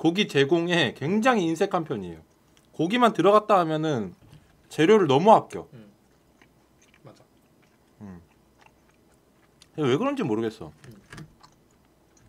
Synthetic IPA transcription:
koɡit͡ɕe̞ɡoŋe̞kwe̞ŋd͡ʑaŋɦiːnsʰe̞kʰanpʰjʌɲiejo | koɡimantɯɾʌɡat̚t͈aɦamjʌnɯn | t͡ɕe̞ɾjoɾɯɭnʌmuɦak̚k͈jo̰ | ɯ | we̞ɡɯɾʌnd͡ʑimːoɾɯɡe̞s͈ʌ̰

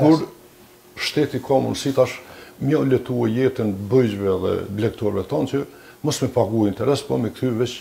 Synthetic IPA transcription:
kuɾ | ʃt̪ɛt̪ikʰɔmṵnsit̪aʃmjalɛt̪uɛjɛt̪ənbəjd͡ʑvɛðɛ̰blɛk̚t̪ɔɾvɛt̪ɔnt͡ʃə | mɔsmɛpaɡuaint̪ɛɾɛspɔmɛkt̪yvɛt͡ʃ

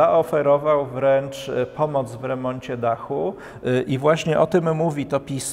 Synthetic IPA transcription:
aʔɔfɛɾɔvawvɾɛnt͡ʂpɔmɔd̪zvɾɛmɔɲt͡ɕɛd̪axu | ʔivwaɕɲɛʔɔt̪ɘmːuvʲit̪ɔpʲis

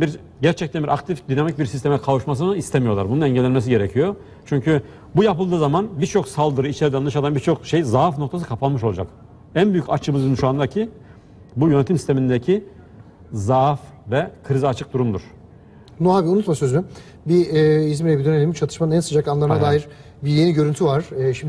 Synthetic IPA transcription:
biɾ | ɟæɾt͡ʃʰɛc̚t̪ænbiɾʔakt̪ʰifd̪ynamic̚biɾsist̪ʰe̞mɛkʰavuʃmas̬ɯnɯist̪ʰemijo̞lˠaɾbununɛɲɟɛlʲːɛnmesiɟe̞ɾɛcʰijo̞ | t͡ʃʰyɲcʰy | bujapɯlˠd̪ɯːzamanbiɾt͡ʃʰo̞ksalˠd̪ɯɾɯit͡ʃʰeɾid̪annɯʃad̪anbiɾt͡ʃʰo̞kʃejzafno̞kt̪ʰasɯ̥kʰapʰalˠmɯʃolˠad͡ʒak | ænbyjycat͡ʃʰɯmɯzɯnʃuand̪aɾcʰi | bujønet̪ʰimsi̥st̪ʰemind̪ecʰi | zaf | vɛkʰɯɾiziat͡ʃʰɯk̚d̪uɾund̪uɾ̥ | nuabiunut̪masø̞zyny | biizmiɾɛbid̪ønelʲimt͡ʃʰat̪ʰɯʃmanɯnænsɯd͡ʒakanlˠaɾnad̪aːjiɾ | biɾjeniɟøɾynt̪ʰyvaɾ̥ʃim

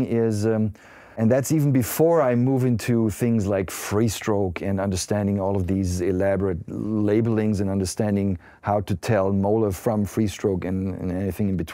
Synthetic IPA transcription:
ɪz | ɨ̃nðætsivn̩bɨfɔɹaɪmuvɪ̃ntʰuθɪ̃ŋzlaɪkfɹistɹ̥oʊkʰɨ̃nʌ̃ndə˞stæ̃ndɪ̃ŋɔlˠʌvðizɪlæbə˞ɨt̚leɪbl̩ˠɪ̃ŋzɨ̃nʌ̃ndə˞stæ̃ndɪ̃ŋ | haʊɾɨtʰɛlˠmoʊlˠə˞fɹʌ̃ɱfɹistɹ̥oʊkɨ̃nɨ̰̃nɛniθɪ̃ŋɨ̃nbɨtʰ

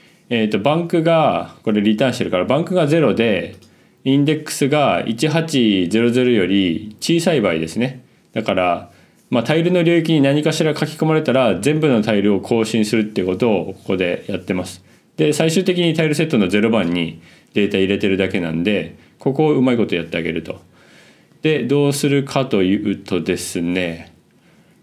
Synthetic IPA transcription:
e̞ːt̪ːo̞bãŋkɯ̟ɡako̞ɾe̞ɾʲit̪ãɕi̥t̪eɾɯ̟kaɾabãŋkɯ̟ɡaze̞ɾo̞d̪e̞ | ĩnd̪e̞kːɯ̥sɨɡaḭt͡ɕiɦat͡ɕize̞ɾo̞ze̞ɾo̞jo̞ɾʲit͡ɕiːsaibaid̪e̞sɨne̞ | d̪̥akaɾa | mat̪aiɾɯ̟no̞ɾʲoːikʲiɲ̟inaɲ̟ikaɕiɾakakʲi̥ko̞maɾe̞t̪aɾazẽ̞mbɯ̟no̞t̪aiɾɯ̟o̞kʰo̞ːɕĩɰ̃sɨɾɯ̟t̪ːeko̞t̪o̞ːko̥ko̞d̪e̞jat̪ːe̞masɨ̥ | d̪̥e̞saiɕɨːt̪e̞k̬ʲiɲ̟it̪aiɾɯ̟se̞t̪ːo̞no̞ze̞ɾo̞bãɲ̟ːi | d̪̥e̞ːt̪aiɾe̞t̪e̞ɾɯ̟d̪ake̞nã̰nod̪e̞ | ko̞ko̞ːɯ̟maiko̞t̪o̞jat̪ːe̞aɡe̞̰ɾɯ̟t̪o̞ | d̪̥e̞d̪o̞ːsɨɾɯ̟kʰat̪o̞jɯ̟ːt̪o̞d̪e̞sɨne̞

